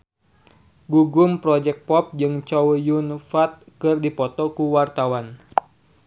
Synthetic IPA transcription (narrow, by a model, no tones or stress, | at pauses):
ɡuɡumpɾɔd͡ʒɛk̚pɔp̚d͡ʒɨŋt͡ʃɔwjunfat̪̚kɨrdipɔt̪ɔkuwart̪awan